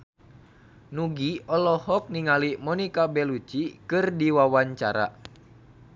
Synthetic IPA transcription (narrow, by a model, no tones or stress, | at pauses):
nuɡiɔlɔhɔk̚niŋalimɔnikabɛlut͡ʃikɨrdiwawaɲt͡ʃaɾa̰